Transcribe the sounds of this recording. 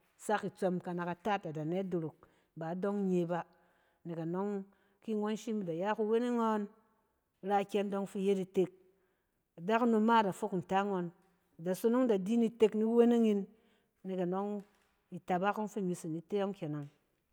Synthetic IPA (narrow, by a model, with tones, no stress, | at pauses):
sa˦ki˨t͡so˧mka˨na˨ka˨ta˦˨ta˨da˨ne˦do˨ɾo˨k̚ | ba˨˦do˦ŋ˦ɲe˧ba˦ | ne˨ka˨no˦ŋ | ki˦ŋo˦n˦ʃi˦mi˨da˨ja˦ku˦˧we˦ne˦ŋo˦n˨˦ | ɾa˦˨kʲe˦n˦do˧˦ŋ˦fi˦je˦di˨te˧k̚ | da˦kno˧ma˦˨da˨fo˦kn̩˨ta˦ŋo˧n˨ | da˨so˦no˦ŋda˨di˦ni˦te˧kni˦we˦ne˦ŋi˧˦nː | e˨ka˨no˦ŋ | i˨ta˨ba˦ko˦n˦fi˦mi˧si˨ni˨˦te˦jo˦ŋ˦kʲe˨na˨ŋ